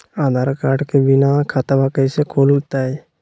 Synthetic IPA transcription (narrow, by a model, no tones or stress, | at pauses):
aːd̪ʱaːɾkaːɾɖkebɪnakʰat̪abakəjsekʰoːlt̪ae